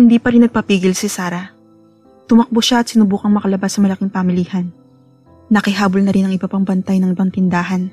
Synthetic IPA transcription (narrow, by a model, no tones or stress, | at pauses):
hɪnd̪iːpɐɾɪnːɐɡ̚pɐpiːɡɪlsɪsaːɾɐ | t̪ʊmɐk̚boʃaɐt̪sɪnʊbuːkɐŋmɐkɐlɐbasːɐmɐlɐkɪŋpamɪlihɐnː | ɐkɪɦaːbolnɐɾɪnɐŋɪbapɐŋbɐnt̪ajnɐŋɪbɐaŋt̪ɪnd̪aːɦɐn